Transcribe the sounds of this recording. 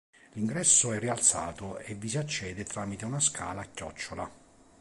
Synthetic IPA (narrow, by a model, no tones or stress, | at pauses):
liŋɡɾɛsːʊɛrːialt̪sa̰ːt̪ʊevisiat͡ʃːɛːd̪et̪ɾaːmit̪eunaskʰa̰ːlaːkːjɔ̰t͡ʃːola̰